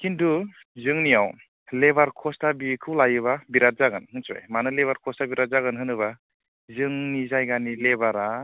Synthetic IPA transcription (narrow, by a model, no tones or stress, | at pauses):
kindu | zɯŋnijaw | lebaɾkʰɔstabikʰɯwlajɯβabiɾat̚zaɡɯnɯnsa̰jmanɯleβaɾkʰɔsabiɾat̚zaɡɯnɦɯnɯβa | zɯŋnizajɡanilebaɾa